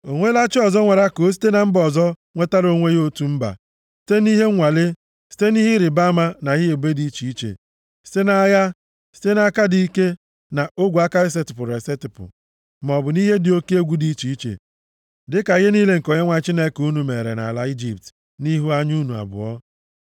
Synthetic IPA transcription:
o˨ŋʷe˦la˦t͡ʃɪ˦ɔ˨zɔ˦ŋʷe˨ɾa˦ko˨˦s̬i̥˦te˦na˨m̩˦bɔ˨zɔ˦ | ŋʷe˦ta˦ɾo˦ŋʷe˦jo˦tu˨m̩˦ba̰˨ | si̥˦te˦ni˦ɦe˦ŋʷa˨le˦ | si̥˦te˦ni˦ɦɪ˦ɾɪ˨ba˦ma˦na˨ɣɪ˦e˨be˦di˦t͡ʃi˨i˦t͡ʃḛ˨ | si̥˦te˦na˦ja˦ | si̥˦te˦na˦ka˦di˦i˦ke˦ | na˨o˦ɡʷu˨a˦ka˦ɾɪ˦s̬e˦tɪ˨pʊ˨ɾe˨se˦tɪ˨pʊ̰˨ | m˨ɔ˨bʊ˨ni˦ɦe˦dɪ˨o˦ki˦e˦ɡʷu˦di˦t͡ʃi˨i˦t͡ʃḛ˨ | dɪ˦ka˨i˨ɦe˦niː˦le˦ŋ̩˨ko˨ɲe˦ŋʷa˨˦t͡ʃi˦ne˦ku˦nu˨me˨ɾḛ˨na̰˨la˦i˦d͡ʒi˨p̚t | ni˦ɦu˦a˦ɲ˦u˦nu˨a̰˨bʊ̰˨ɔ˦

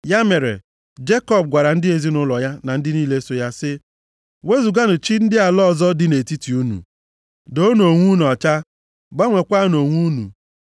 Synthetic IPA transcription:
ja˦me˨ɾḛ˨ | d͡ʒe˦kɔ˦˨b̚ɡʷa˨ɾa˨n̩˦dɪ˦e˨zi˦nʊ˦lɔ˨ja˦na˨n̩˦dɪ˦niː˦le˦so˦ja˦sɪ˦ | we˦zu˨ɡa˦nʊ˨t͡ʃi˦n̩˦dɪ˦a˨lɔ˦˨zɔ˦dɪ˦ne˨ti˦ti˨u˦nṵ˨ | do˦no˨ŋʷu˦nu˨ɔ˨t͡ʃa˦ | ba˦ŋʷe˨kʷa˦no˨ŋʷu˦nṵ˨

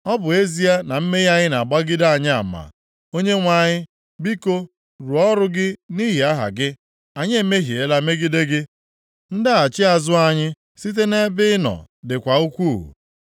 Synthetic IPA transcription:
ɔ˦bʊ˨e˦zi˦a˦na˨m̩˦me˦ja˦ɲɪ˦na˨ɡ͡ba˦ɡɪ˦da˦a˨ɲɪ˦a̰˨ma̰˨ | o˦ɲe˦ŋʷa˨ɲɪ˦ | bi˦ko˦ | ɾu˨ɔ˦ɾʊ˦ɡɪ˦ni˦ɦi˨a˦ɦa̰˨ɡɪ˦ | a˨ɲe˦me˦ɦi˨e˦la˦me˦ɡi˦de˦ɡɪ˦ | n̩˦da˦a˨t͡ʃɪ˦a˨zʊ˦a˦ɲɪ˦ | si˦t̬e˦ne˦bɪ˦ɪ˦nɔ̰˨ | dɪ˨kʷa˨u˦kʷuː˦˨ṵ˨

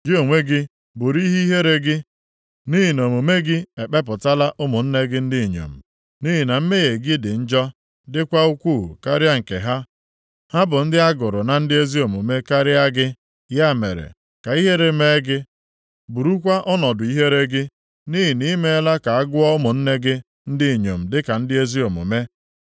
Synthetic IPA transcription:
d͡ʒi˦o˨ŋʷe˦ɡɪ˦ | bu˨ɾi˦ɦi˦ɦe˦ɾe˦ɡɪ˦ | ni˦ɦi˨no˨mo˨me˦ɡɪ˦e˨k͡pe˦p̬ʊ˨ta˦la˦ʔʊ˦mʊ˨n̩˦ne˦ɡɪ˦n̩˦dɪ˦˨ɲo̰˨m̩˨ | ni˦ɦi˨na˨m̩˦me˦je˨ɡɪ˦dɪ˨n̩˦d͡ʒɔ˦ | dɪ˦kʷa˦u˦kʷṵ˦˨ka˦ɾɪ˦a˦ŋ̩˨kḛ˨ɦa˦ | ha˦bʊ˨n̩˦dɪ˦a˦ɡʊ˨ɾʊ˨na˨n̩˦dɪ˦e˦zi˦o˨mo˨me˦ka˦ɾɪ˦a˦ɡɪ˦ | ja˦˨me˨ɾḛ˨ | ka˨i˦ɦe˦ɾe˦me˦ɡɪ˦ | bu˨ɾu˦kʷa˦ʔɔ˦nɔ˨dʊ˨i˦ɦe˦ɾe˦ɡɪ˦ | ni˦ɦi˨ni˦me˦la˦ka˨a˦ɡʊ˦ɔ˦ʊ˦mʊ˨n̩˦ne˦ɡɪ˦ | n̩˦dɪ˦˨ɲo˨m̩˨dɪ˦ka˨n̩˦dɪ˦e˦zi˦o˨mo̰˨me˦

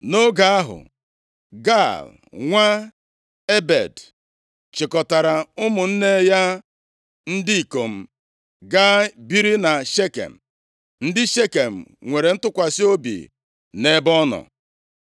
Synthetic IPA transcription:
no˦ɡa˦a˦ɦʊ̰˨ | ɡa˦˨l | ŋʷa˦ | e˦bḛ˨d | t͡ʃɪ˨kɔ˨ta˨ɾa˨ʊ˦mʊ˨n̩˦ne˦ja˦ | n̩˦dɪ˦i˨ko˨m̩˦ | ɡa˦bi˦ɾi˦na˨ʃe˦kḛ˨m̩˨ | n̩˦dɪ˦ʃe˦ke˨m̩˨ŋʷe˨ɾe˨n̩˦tʊ˦kʷa˨si˦o˦bḭ˨ | ne˦bɔ˦nɔ̰˨

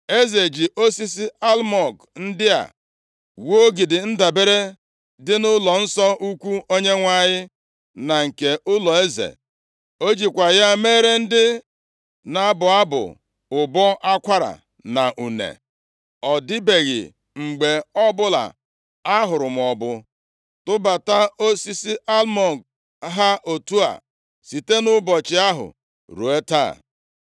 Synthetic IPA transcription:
e˦ze˨d͡ʒi˨ʔo˦si˦s̬i˦a˦lmɔ˨k | n̩˦dɪ˦a̰˨ | wo˦ɡi˨dɪ˨n̩˦da˨be˦ɾe˦ | dɪ˦nʊ˦lɔ˨n̩˦sɔ˦ʔu˦kʷu˦o˦ɲe˦ŋʷa˨ɲɪ˦ | na˨ŋ̩˨ke˨ʔʊ˦lɔ˨e˦zḛ˨ | o˦d͡ʒi˨kʷa˨ja˦meː˦ɾe˦n̩˦dɪ˦ | na˨˦bʊ˨a˦bʊ̰˨ | ʊ˨bɔ˦ʔa˦kʷa˦ɾa̰˨ | na˨ʔu˨nḛ˨ | ɔ˨dɪ˦be˨ɣɪ̰˨ | ŋ͡m̩˨ɡ͡be˨ɔ˦bʊ˦la̰˨ | a˦ɦʊ˨ɾʊ˨m˨ɔ˨bʊ˦ | tʊ˦ba˨ta˦o˦si˦si˦ʔa˦lmɔ˨ɡ | ɦa˦ʔo˨tu˦a̰˨ | si˨te˦nʊ˦bɔ˨t͡ʃɪ˨a˦ɦʊ̰˨ | ɾṵ˨e˦ta̰˦˨

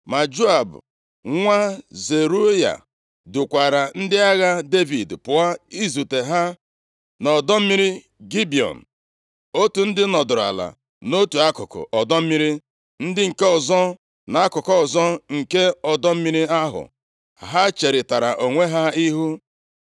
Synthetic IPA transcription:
ma˨d͡ʒu˦a˨bʊ̰˨ | ŋʷa˦ze˨ɾu˦ja̰˨ | dʊ˨kʷa˨ɾa˨n̩˦dɪ˦a˦ɣa˦de˦vi˨dpʊ˨a˦i˦zu˨te˨ɦa˦ | nɔ˨dɔ˦m̩˦mi˦ɾi˦ | ɡi˦bi˨ɔ̰˨n̩˨ | o˦tu˨n̩˦dɪ˦nɔ˨dʊ˨ɾa̰˨la̰˨ | no˦tu˨a˦kʊ˨kʊ̰˨ʔɔ˨dɔ˦m̩˦mi˦ɾi˦ | n̩˦dɪ˦ŋ̩˨ke˦ɔ˨zɔ˦ | na˨a˦kʊ˨kɔ˦ɔ˨zɔ˦ŋ̩˨ke˦ɔ˨dɔ˦m̩˦mi˦ɾi˦a˦ɦʊ̰˨ | ɦa˦t͡ʃe˨ɾɪ˨ta˨ɾa˨ʔo˨ŋʷe˦ɦa˦i˦ɦu˦

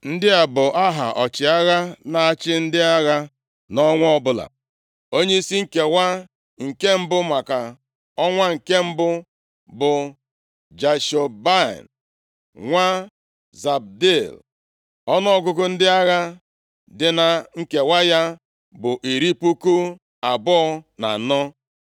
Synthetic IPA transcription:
n̩˦dɪ˦a˨bʊ˨ʔa˦ɦa̰˨ʔɔ˨t͡ʃɪ˨a˦ɣa˦na˨a˦t͡ʃɪ˦n̩˦dɪ˦a˦ɣa˦ | nɔ˦ŋʷ˦ɔ˦bʊ˦la̰˨ | o˦ɲe˦i˦si˦ŋ̩˦ke˨wa˦ | ŋ̩˨ke˦m̩˦bʊ˦ma˨ka˨ | ɔ˦ŋʷa˦ŋ̩˨ke˦m̩˦bʊ˦ | bʊ˨ | d͡ʒa˨ʃo˨ba̰˦˨n | ŋʷa˦ | za˨b̚de˦˨l | ɔ˦nɔ˦ɔ˦ɡʊ˦kʊ˦n̩˦dɪ˦a˦ɣa˦ | dɪ˨na˨ŋ̩˦ke˨wa˦ja˦ | bʊ˨ʔi˨ɾi˦pu˦ku˦ | a˨bɔ˦ɔ˦na̰˨nɔ˦

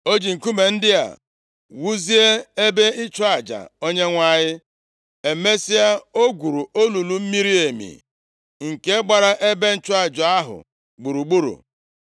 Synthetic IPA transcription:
o˦d͡ʒi˨ŋ̩˨ku˦me˨n̩˦dɪ˦a̰˨ | wu˦zi˦e˦e˦be˦ɪ˦t͡ʃʊ˦a˨d͡ʒa̰˨o˦ɲe˦ŋʷa˦˨ɲɪ˦ | e˨me˦si˦a˦o˦ɡʷu˨ɾu˨o˦lu˨lu˨m̩˦mi˦ɾi˦e˨mḭ˨ | ŋ̩˨ke˦ɡ͡ba˨ɾa˦ʔe˦be˦n̩˦t͡ʃʊ˦a˨d͡ʒʊ˨a˦ɦʊ̰˨ | ɡ͡bu˨ɾu˨ɡ͡bu˦ɾṵ˨

